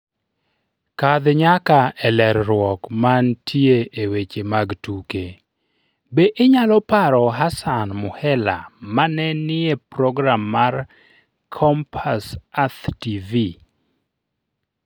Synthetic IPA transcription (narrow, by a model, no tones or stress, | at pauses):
kad̪ɲakaɛlɛɾɾwɔkmantʰieʔewet͡ʃemaɡtuke | beʔɪɲalɔpaɾɔɦasanmʊhɛla̰manɛnɪepɾɔɡɾamːar | kʰɔmpʰasat̪tivi